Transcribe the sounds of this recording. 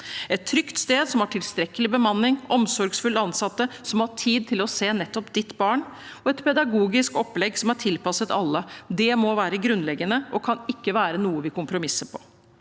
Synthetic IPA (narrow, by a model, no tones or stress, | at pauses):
ɛt̪ʰːɾʏkt̪st̪eːd̪sɔmɑʈʰɪlst̪ɾɛkːəlɪbəmɑnːɪŋʔɔmsɔɾɡsfʉlɑnsɑt̪ːəsɔmhɑʈʰiːd̪̚t̪ʰɪlɔseːnɛt̪ːɔpd̪ɪt̪ːbɑːɳ | ɔɛt̪pʰɛd̪ɑɡuːɡɪskɔpːlɛɡsɔmæʈʰɪlpɑsət̪ɑlːəd̪ɛmɔʋæːɾəɡɾʉnlɛɡːənəʔɔkʰɑnɪkːəʋæːɾənuːəʋɪkʰʊmpɾʊmɪsəpʰɔ̥